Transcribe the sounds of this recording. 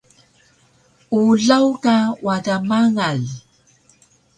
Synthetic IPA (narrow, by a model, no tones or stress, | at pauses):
uɮawkawatamaŋal